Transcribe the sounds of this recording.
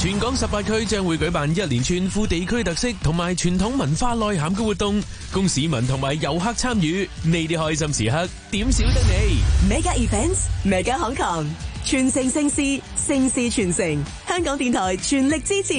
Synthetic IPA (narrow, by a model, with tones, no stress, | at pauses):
t͡ʃʰyː˨˩nkɔː˨˥ŋsɐ˨p̚paː˧t̚kʰɵ˥ɥt͡ʃœː˥ŋwu˨˥jkɵ˨˥ɥpaː˨njɐ˥t̚liː˨˩nt͡ʃʰyː˧nfuː˧t̪e˨jkʰɵ˥ɥt̪ɐ˨k̚sɪ˥k̚t̪ʰʊ˨˩ŋmaː˨jt͡ʃʰyː˨˩nt̪ʰʊ˨˥ŋmɐ˨˩nfaː˧lɔː˨˧jɦaː˨˥mkɛː˧wuː˨t̚t̪ʊ˧ŋ | kʊ˥ŋsiː˨˥mɐ˨˩nt̪ʰʊ˨˩ŋmaː˨˩jːɐ˨˧wɦɐ˥k̚t͡sʰaː˥mjyː˨˥ne˨˧jt̪i˥hɔː˧js̬ɐ˧msḭː˨˩ɦɐ˥k̚t̪iː˨˥msi˨˥wt̪ɐ˥k̚ne˨˧jmɛ˨˥jkaː˧iː˨˩fɛ˥nsmɛ˨˩kaː˧hɔ˨˥ŋkʰɔː˨˩ŋt͡ʃʰyː˨˩nsɪ˨˩ŋsɪ˧ŋsiː˧sɪ˧ŋsiː˧t͡ʃʰyː˨˩nsɪ˨˩ŋ | hœː˥ŋkɔː˨˥ŋt̪iː˨˧nt̪ʰɔː˨˩jt͡ʃʰyː˨˩nlɪ˨k̚t͡siː˥t͡sʰiː˨˩